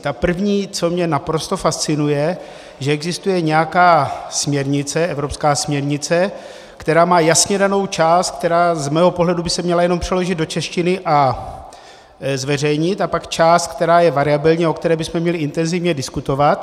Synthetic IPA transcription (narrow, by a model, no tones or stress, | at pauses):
t̪apr̩vɲiːt͡so̞mɲɛnapɾo̞st̪o̞fast͡sɪnujɛ | ʒɛɛɡzɪst̪ujɛɲɛjakaːsmɲɛɾɲɪt͡sɛʔɛvɾo̞pskaːsmɲɛɾɲɪt͡sɛ | kt̪ɛɾaːmaːjasɲɛdano̞wt͡ʃaːst̪̚k̚t̪ɛɾaːzmɛːɦo̞po̞ɦlɛdubɪsɛmɲɛlajɛno̞mpr̥ɛlo̞ʒɪd̪̚do̞t͡ʃɛʃcɪnɪʔa | zvɛrɛjɲɪt̪apakt͡ʃaːst̪̚k̚t̪ɛɾaːjɛvaɾɪabɪlɲiokt̪ɛɾɛːbɪsmɛmɲɛlɪɪnt̪ɛnzɪvɲɛdɪskut̪o̞vat̪